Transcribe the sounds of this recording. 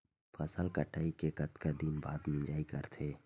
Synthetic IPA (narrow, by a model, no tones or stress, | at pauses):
pʰəsəlkəʈʰaːikekət̪kad̪inba̰ːd̪mĩd͡ʒaːikəɾt̪ʰeː